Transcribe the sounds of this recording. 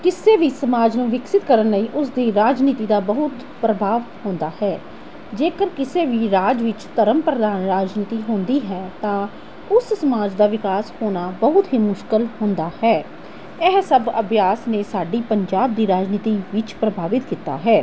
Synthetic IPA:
kɪseːʋiːsəmaːd͡ʒnũːʋɪksɪt̪kəɾənləiːʔʊsd̪iːɾaːd͡ʒniːt̪iːd̪aːbəɦʊt̪ | pɾəbʱaːʋhõːnd̪aːhɛː | d͡ʒeːkəɾkɪseːʋiːɾaːd͡ʒʋɪt͡ʃt̪əɾəmpɾəd̪aːnɾaːd͡ʒniːt̪iːɦʊ̃ːnd̪iːɦɛːt̪ãː | ʊssəmaːd͡ʒd̪aːʋɪkaːshoːnaːbəɦʊt̪ɦiːmʊʃkəlhõːnd̪aːhɛː | ɛɦsəbəbjaːsneːsaːɖiːpəɲd͡ʒaːb̚d̪iːɾaːd͡ʒniːt̪iːʋɪt͡ʃpɾəbʱaːʋɪt̪kiːt̪a̰ːɦɛː

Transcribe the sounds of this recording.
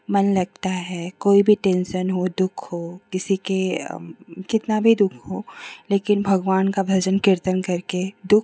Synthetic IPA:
mɐnlɐɡ̚t̪aɦɛkoːibʱiʈẽːnʃənɦod̪ʊkʰɦoːkɪsike | kɪt̪nabʱid̪ʊkʰɦoːleːkɪnbʱɐɡʋaːnkabʱɐd͡ʒənkɪɾt̪ənkɐɾked̪ʊk

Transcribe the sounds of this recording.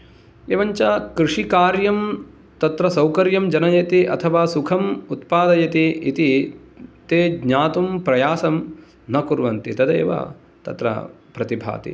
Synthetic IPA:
eːʋɐɲt͡ʃaːkɾɪʂikaːɾjɐm | t̪ɐt̪ɾɐsɐwkɐɾjɐmd͡ʒɐnɐjɐt̪iʔɐt̪ʰɐʋaːsukʰɐmut̪paːd̪ɐjɐt̪iit̪i | t̪eːɡɲaːt̪umpɾɐjaːsɐm | nɐkuɾʋɐnt̪it̪ɐd̪ḛːʋɐ̰ | t̪ɐ̰t̪ɾɐ̰ | pɾɐt̪ibʱa̰ːt̪ḭ

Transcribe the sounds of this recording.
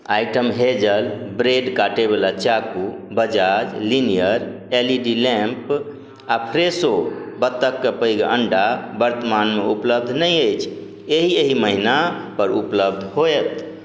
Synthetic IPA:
ajʈəmɦed͡ʒəlbɾeɖkaʈebelat͡ʃakubəd͡ʒad͡ʒlinijəɾ | eliɖilẽmp | apʰɾesobət̪ːəkːepəjɡʔəɳɖabəɾt̪əmanmeupləb̚d̪ʱnəjəjt͡ʃʰ | eɦieɦiməɦinapəɾupləb̚d̪ʱɦoɛt̪

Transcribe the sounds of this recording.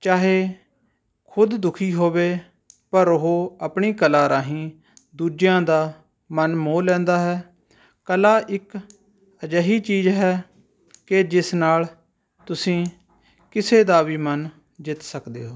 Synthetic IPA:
t͡ʃaːɦeː | kʰʊd̪d̪ʊkʰiːɦoːʋeː | pəɾʊɦoːəpɳiːkəlaːɾaːɦĩː | d̪uːd͡ʒjãːd̪aː | mənmoːlɛ̃ːnd̪aːɦɛː | kəlaːʔɪk | əd͡ʒəɦiːt͡ʃiːzɦɛː | kɪd͡ʒɪsnaːl | t̪ʊsĩː | kɪseːd̪aːʋiːmən | d͡ʒɪt̪səkd̪ḛːɦoː

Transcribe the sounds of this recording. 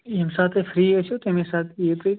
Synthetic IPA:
msat̪ʰefɾiːəʃut̪emesat̪ʰeet̪ɾi

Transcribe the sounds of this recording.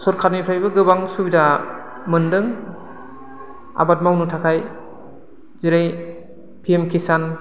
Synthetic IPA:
sɔɾkʰaɾmipʰɾajbɯɡɯbaŋsubida | mɯndɯŋ | a̰bat̚mawnutʰakʰaj | ziɾaj | pʰiemkʰisan

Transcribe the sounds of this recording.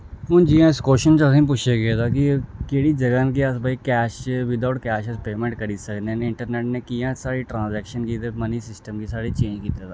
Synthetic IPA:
ɦʊnd͡ʒiːãːɪskoːʃənt͡ʃəsĩːp̬ʊt͡ʃʰeːɡeːd̪aːkikeːɽiːd͡ʒəɡaːnk̬iəsbəiːkɛːʃt͡ʃʋɪd̪aːʈkɛːʃəspeːmẽːɳʈkəɾiːsəkd̪eneɪɳʈəɾneːʈneːkijãːsaːɽiʈɾãːnzɛːkʃənkiːt̪eməniːsɪsʈəmkiːsaːɽiːt͡ʃẽːɲd͡ʒkiːt̪et̪aː

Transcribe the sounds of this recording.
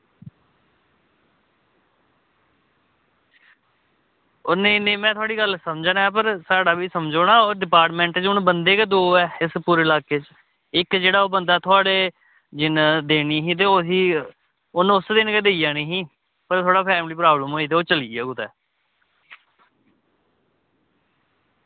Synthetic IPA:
ʊneneːmɛ̃ːt̪ʰʊaːɽiːɡəlsəmd͡ʒanɛːp̬əɾsaːɽaːbiːsəmd͡ʒoːnãːoːɾɖɪpaːɾʈmɛ̃ɳʈːt͡ʃʊnbənd̪eːkeːd̪oːɛːɪspuːɾeːlaːkeːt͡ʃ | ɪkd͡ʒeːɽaːoːbənd̪aːt̪ʰʊaːɽeː | d͡ʒɪnd̪eːniːɦĩːt̪̬eːosiː | ʊnʊsd̪ɪnked̪eːiːjaːnẽːɦĩː | pəɾt̪ʰoaːɽaːpʰɛːmliːpɾaːbləmɦoːiːt̪̬eːoːt͡ʃəliːaːɡʊːt̪ɛː

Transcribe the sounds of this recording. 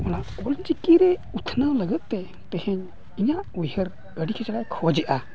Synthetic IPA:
manaɔlt͡ʃikiɾɛut̪ʰnawləɡət̪̚ˀt̪ɛ | t̪ɛhɛɲ | iɲaʔujhəɾ | kəɖikʰɛt͡ʃaɽajkʰɔd͡ʒɛʔa

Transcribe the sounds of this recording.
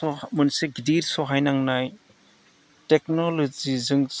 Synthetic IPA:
ɔmɯnseɡidiɾsɔɦajnaŋnaj | tek̚nɔlɔzizɯŋ

